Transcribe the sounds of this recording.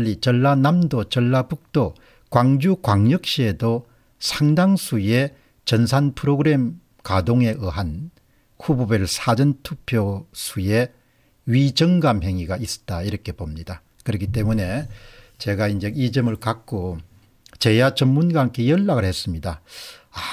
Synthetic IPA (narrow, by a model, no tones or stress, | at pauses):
ʎːit͡ɕʌɭːanamdot͡ɕʌɭːapuk̚t͈o | kwaŋd͡ʑukwaŋjʌk̚ɕ͈iedo | sʰaŋdaŋsʰuje̞ | t͡ɕʌnsʰanpʰɯɾoɡɯɾe̞m | kadoŋe̞ʔɯɦan | hubobeɭsʰad͡ʑʌntʰupʰjosʰuje̞ | ɥid͡ʑʌŋɡamɦe̞ŋiɡais͈ʌ̥t͈aiɾʌkʰe̞bomɲida | kɯɾʌkʰit͈e̞mune̞t͡ɕe̞ɡaind͡ʑe̞id͡ʑɯmɯɭkak͈̚o | t͡ɕe̞jat͡ɕʌmmːunɡwaŋkʰejʌɭːaɣɯɭhes͈ɯmɲidaa